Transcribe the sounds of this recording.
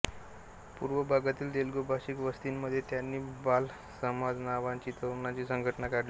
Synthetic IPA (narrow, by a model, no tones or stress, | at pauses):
puɾʋəbʱaɡat̪iːld̪elɡobʱaɕiːkʋəst̪inːəd̪ʱːjet̪janːiːbal | səmad͡znaʋaɲt͡ɕiːt̪əɾnat͡ɕiːsəŋɡʱəʈnakaɽli